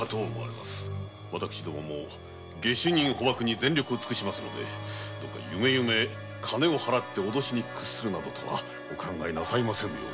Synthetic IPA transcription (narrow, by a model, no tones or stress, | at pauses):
t̪omoa̰ɾema̰sɨ̥ | βat̪akɯ̟̥ɕid̪o̞mo̰mo̰ː | ɡe̞ɕiɲ̟ːĩɰ̃ho̞bakɯ̟ɲ̟izẽ̞nʲɾʲo̞kɯ̟ot͡sɨ̥kɯ̟ɕimasɨno̞̰d̪e̞̰d̪̥okːa̰jɯme̞jɯ̟me̞ | kʰane̞o̞haɾat̪ːe̞od̪o̞ɕiɲ̟ikːɯ̟̥ssɨɾɯ̟nad̪o̞t̪ʰo̞βa̰ | okʰãŋɡaenasaimasẽ̞nːo